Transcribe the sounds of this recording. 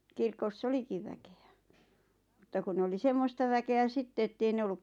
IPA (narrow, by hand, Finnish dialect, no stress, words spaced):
kirkos olikiʋ ʋækeæ mutːɑ kun nĕ oli semːostɑ ʋækeæ sitːe etːei ne olːuk